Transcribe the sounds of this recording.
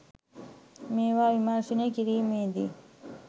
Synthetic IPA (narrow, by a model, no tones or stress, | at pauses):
mẽːwaːwimãːsunekiɾiːmẽːd̪ḭ